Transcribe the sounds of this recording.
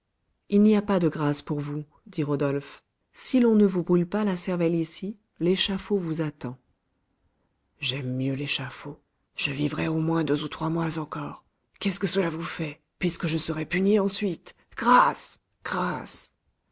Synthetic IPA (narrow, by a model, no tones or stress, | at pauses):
ilniapad̪əɡʁaspuʁvu | d̪iʁɔd̪ɔlf | silɔ̃nəvubʁylpalasɛʁvɛlisi | leʃafovuzat̪ɑ̃ | ʒɛmːjøleʃafo | ʒ̥əvivʁɛomwɛ̃d̪øzut̪χwamwazɑ̃kɔːʁ | kɛskəsəlavufɛ | pɥiskəʒəsəʁɛpyniɑ̃sɥit̪ | ɡ̥ʁas | ɡ̥ʁas